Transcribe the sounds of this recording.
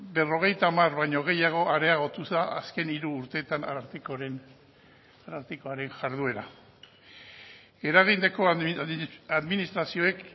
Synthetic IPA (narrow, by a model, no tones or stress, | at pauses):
be̞ro̞ɣ̞e̞jt̪amarβajɲo̞ɣ̞e̞jaɣ̞o̞ʔaɾe̞aɣ̞ot̪uzðaaske̞niɾuːɾt̪e̞ːt̪ana̰ɾt̪ikoɾen | aɾaɾt̪ikoaɾe̞ŋʝaɾðue̞ɾa̰ | e̞ɾaɣ̞ind̪eko̞ | aðminist̪ɾasio̞e̞k